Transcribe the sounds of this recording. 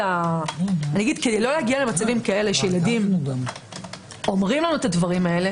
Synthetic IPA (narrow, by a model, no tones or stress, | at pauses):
a | anijaɡid̪ked̪ejlo̞lehaɡiale̞mat͡savimkae̞le̞ʃejeladim | o̞mʁimlanuet̪advaʁimae̞le̞